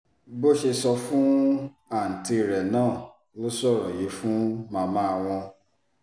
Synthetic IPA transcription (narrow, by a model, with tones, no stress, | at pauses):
bo˦ʃe˧sɔ˧fũ˦ | a˦˨n̩˨ti˧˨ɾɛ˨nãː˦˨ | lo˦sɔ˦˨ɾɔ̃˨je˨˦fũ˦mãː˨˧mã˦a˧w̃ɔ̃˧